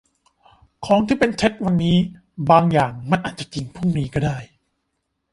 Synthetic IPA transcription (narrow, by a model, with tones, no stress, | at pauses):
kʰɔː˦˥ŋt̪ʰiː˥˩pe˧nt͡ɕʰe˦˥t̪̚wa˧nːiː˦˥ | baː˧ŋjaː˨˩ŋma˧˨nʔaː˨˩t̪̚t͡ɕa˧˩t͡ɕi˧ŋpʰu˥˩ŋniː˦˥kɔː˥˩daː˥˩j